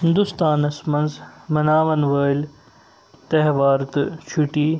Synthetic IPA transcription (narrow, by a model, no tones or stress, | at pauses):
ɦɪ̃nd̪ust̪aːnɐsmɐnzmɐnaːʋɐnʋɐːl | t̪ɐɦʋaːɾt̪ɨt͡ʃʰuʈiː